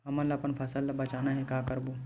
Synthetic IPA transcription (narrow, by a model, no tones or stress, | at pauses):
ɦɐməlɐpənpʰɐsəlbɐt͡ʃaːnaɦɛkaːkɐɾbo